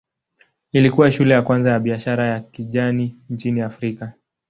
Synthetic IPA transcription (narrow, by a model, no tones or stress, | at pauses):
ilikuwaʃulɛjakwanzajaɓiaʃaɾajakiʄanint͡ʃiniafɾika